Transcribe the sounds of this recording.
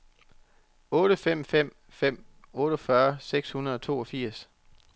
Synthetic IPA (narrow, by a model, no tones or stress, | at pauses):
ɔ̽ːɾ̥əfem̰fem̰ | fem̰ | ɔ̽ːɾ̥ɐfɶɐseɡ̥shunɐðˠɒ̽t͡sʰo̝̰ːɒfiɐ̰s